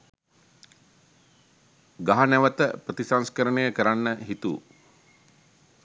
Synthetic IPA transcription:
ɡaɦanæʋət̪əprət̪isanskəɾənejəkəɾanːəɦit̪ṵː

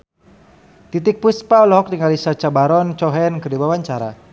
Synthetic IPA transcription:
t̪it̪ɪk̚puspaɔlɔɦɔk̚tiŋɡalisat͡ʃabaɾɔnt͡ʃɔɦɛnkərdibawaɲt͡ʃaɾa̰

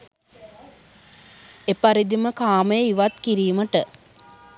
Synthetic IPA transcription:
epaɾid̪iməkaːməjəiʋat̪kiɾiːməʈə

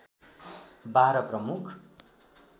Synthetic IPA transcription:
baɾʌprʌmukʰ

